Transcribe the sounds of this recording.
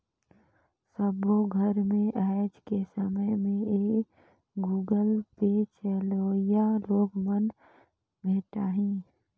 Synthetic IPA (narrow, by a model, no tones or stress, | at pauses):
səboɡʱəɾmẽʔɛd͡ʒkesəməjmẽeː | ɡuːɡəlpet͡ʃeːloːjaloːɡmən | bʱeːʈaɦĩː